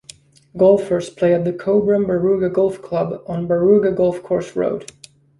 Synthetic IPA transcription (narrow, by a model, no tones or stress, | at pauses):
ɡɔlˠfə˞spʰl̥eɪɨt̪̚ðɨkʰoʊbɹə̃mbəɹʉɡɨɡɔlˠfkʰl̥ʌb̃n̩bəɹʉɡɨɡɔlˠfkʰɔɹsɹo̰ʊd̥